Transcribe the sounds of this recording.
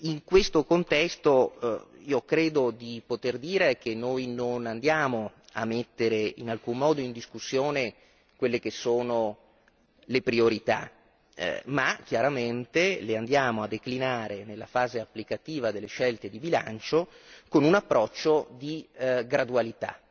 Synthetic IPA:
iŋkwest̪okont̪ɛst̪o | iːokɾeːd̪od̪ipot̪erd̪iːɾek̟enːojnonand̪jaːmoa̰mːet̪ːeɾeinalkumːɔːd̪oind̪iskusːjoːne | kwelːekesːoːno | lepɾioɾit̪a̰ | mak̟jaɾament̪eleand̪jaːmoad̪ːeklinaːɾenelːafaːzeapːlikat̪iːvad̪elːeʃɛlt̪ed̪ibila̰nt͡ʃokonunapːɾɔt͡ʃːod̪iɡɾad̪ualit̪a̰

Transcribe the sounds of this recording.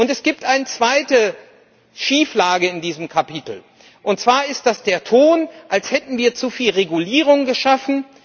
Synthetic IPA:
ʔʊntɛsɡ̥iːp̚tʔaɪnət͡sv̥aɪtə | ʃiːflaːɡəɪndiːzəmkʰapitl̩ | ʔʊnt̚t͡sv̥aːɐɪst̚d̥asd̥eːɐtʰoːnʔalshɛtn̩viːɐt͡sufiːlʁeɡuliːʁ̞ʊŋɡəʃafn̩

